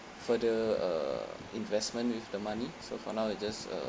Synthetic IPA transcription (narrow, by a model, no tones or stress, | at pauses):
fədəʌ̰ | ĩnvɛsmə̃nwifdəmãnisofɔ̰nawɛd͡ʒasʌ̰